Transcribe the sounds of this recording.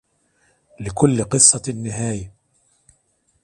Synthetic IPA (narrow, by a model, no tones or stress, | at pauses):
lɪkʊlːqɨsˤːɑnːɪɦaːja